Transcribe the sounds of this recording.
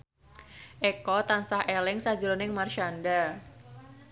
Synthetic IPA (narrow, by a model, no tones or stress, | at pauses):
ʔɛkɔt̪ansahʔelɪŋsad͡ʒɾonɪŋmarʃanda